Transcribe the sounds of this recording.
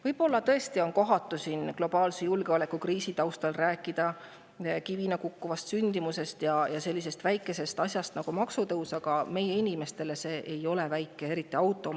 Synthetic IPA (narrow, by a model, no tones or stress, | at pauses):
vɤjb̥o̞lːɑt̪ɤe̞st̪io̞nko̞ɦɑt̪ːˑusinɡ̥lo̞b̥ɑːlsejulɡ̥eole̞kːukriːsit̪ɑwst̪ɑlræːkːˑid̪̥ɑ | kivinɑkukːuvɑst̪synʲd̪̥imuse̞st̪jɑjɑse̞lʲːis̬e̞st̪væjkːˑe̞se̞st̪ɑsʲjɑst̪nɑɡ̥umɑksut̪ɤwsɑɡ̥ɑme̞je̞inʲime̞st̪e̞le̞se̞ːʔejo̞levæjkːˑe̞e̞ɾit̪ːˑiɑwt̪ːˑo̞